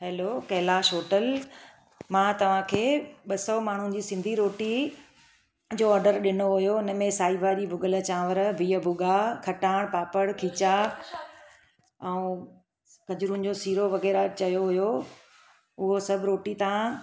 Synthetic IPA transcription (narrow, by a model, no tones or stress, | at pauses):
ɦɛːloːkɐːlaʃoːʈəl | mãːt̪ɐʋ̤ãkʰeːɓɐsɔmaːɳ̤ʊ̃nɪ̆d͡ʑiːsɪ̃nd̪ʱiɾoːʈi | d͡ʑoːɔːɾɖəɾɗɪnoɦʊjoɪnəmẽsaːibʱaːɾibʱʊɡələt͡ɕãːʋəɾbʱiːəbʱʊɠakʰɐʈaːɽ̃paːpəɽkʰiːt͡ɕa | ɛ̃ũ | kɐd͡ʑɾũn̆d͡ʑoːsiːɾoʋɐɣɛːɾat͡ɕɐjoɦʊjo | ʊɦosɐbʱɪɾoːʈit̪ɐã